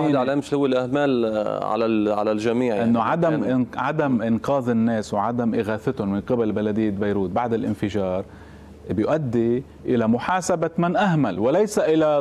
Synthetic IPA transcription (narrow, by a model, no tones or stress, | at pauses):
ʕlaːmʃlhʊwːɪlʔahmaːlʕa̰laʕa̰lalʒamiːʕʔɪnːoʕad̪amʕad̪amʔɪnqɑːðˤɪnːeːswʕad̪amʔɪɣaːθɪt̪ʊnmɪnqɪbalbalad̪ɪjːat̪bajɾuːt̪̚baʕd̪ɪlʔɪ̰nfɪʒɑːɾˤ | bɪjʊʔad̪ːi | ʔɪlamʊħaːsabamanʔaɦmalwɪlejsaʔɪla